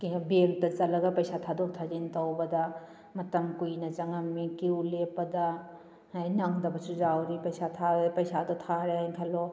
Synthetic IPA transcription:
kibeŋtɐt͡ʃɐlɐɡɐpɐjsatʰadok̚t̪ʰazintɐwbɐdɐ | mɐtɐmkujnɐt͡ʃɐŋɐmːikiwlepɐdɐ | hajnɐŋdɐbɐsud͡ʒawɾipɐjsat̪ʰapɐjsadotʰaɾeajnkʰɐlo

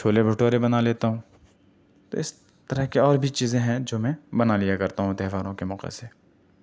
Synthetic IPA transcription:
ʃʰoːlebʱʊʈoːɾebɐnaleːt̪aɦũː | t̪o̰ːɪs | t̪əɾəɦkeɔːɾbʱit͡ʃiːzẽɦɛ̃d͡ʒoːmɛ̃bɐnalɪjakɐɾt̪aɦũt̪ɛːʋaːɾõkemɔːqḛseː

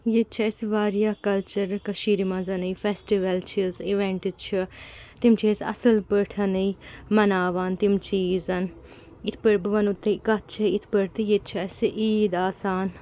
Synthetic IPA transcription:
jet̪̚t͡ʃʰɐsʋaːɾijaːkɐlt͡ʃɐɾkɐʃiːɾimɐ̃zɐnɨjfʰesʈiʋɐlt͡ʃʰiziʋẽɳʈit͡ʃʰut̪imt͡ʃʰeːsɐ̰sɐlpəʈʰɐnɐjmɐnaːʋaːnt̪imt͡ʃiːzɐn | it̪ʰpəɾbɨʋɐnut̪ːekɐt̪̚t͡ʃʰɐit̪ʰpəɾt̪ijet̪t͡ʃʰɐsʔiːd̪aːsaːn

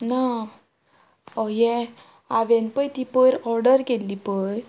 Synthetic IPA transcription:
na | ɔjɛ̃ | aʋẽnpəjt̪ipəɾɔɾɖəɾkelːipəɾ

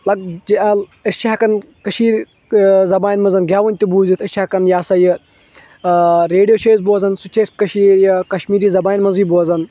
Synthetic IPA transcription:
lɐɡ̚d͡ʒiɐlɐst͡ʃʰiɐkɐn | kɐʃiːɾ | zɐbaːnʲmɐnzɐnɡʲaːʋɐnʲt̪ʲibuːzit̪ʰɐt͡ʃʰɐkɐnjaːsɐjɨ | ɾeːɖijoːʃʰeːzboːzɐnsut͡ʃʰeːskɐʃiːɾjɐkɐʃmiːɾiːzɐbaːnʲmɐnziːboːzɐn

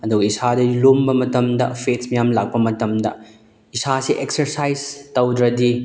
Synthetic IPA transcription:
ɐduɡɐisadɐlombɐmɐtɐmdɐ̰pʰet̚smɐjamlak̚pɐmɐtɐmdɐ̰ | isasiʔek̚sɐɾsajztɐwdɾɐdi

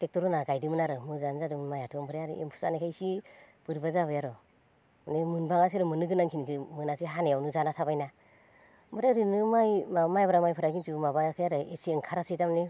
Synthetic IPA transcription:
tek̚tɔɾɔnaɡajdimɯnaɾɯmɯzanzadɯmɯnmajatʰɯmbɯɾejaɾɯ̰ʔḛmpʰu̥sa̰nakʰajsi | b̥ɯɾbazaβɯjaɾɔ | nemɯnbaŋas̬eɾɔmɯnɯɡɯnaŋkʰinkʰɯmɯnasiɦanejawnuzanatʰabajna | mɯɾaɾɯnɯmajmamajbaɾamajpʰɯɾaɡintʰumabajakʰajaɾɯesiɯŋkʰaɾasidamni

